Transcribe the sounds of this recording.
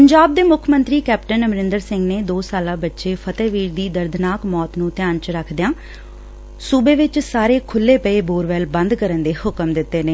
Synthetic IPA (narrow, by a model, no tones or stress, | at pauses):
pəɲd͡ʒaːb̚d̪eːmʊkʰmənt̪ɾiːkɛːpʈənəmɾɪ̃nd̪əɾsɪŋɡneːd̪oːsaːlãːbətːʃeːpʰət̪ɛːʋiːɾd̪iːd̪əɾd̪ʱnaːkmɔːt̪nũːt̪ɪjaːnt͡ʃɾəkʰd̪ejãː | suːbeːʋɪt͡ʃsaːɾeːkʰʊlːeːpəeːboːɾʋɛːlbə̃nd̪kəɾənd̪eːhʊkəmd̪ɪt̪ːeːneː